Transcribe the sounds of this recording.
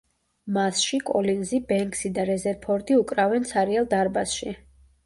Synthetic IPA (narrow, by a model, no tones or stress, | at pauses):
masʃikʼɔlinzibɛŋksid̪aɾɛzɛɾpʰɔɾd̪iukʼɾavɛnt̪sʰaɾiɛlˠd̪aɾbasʃi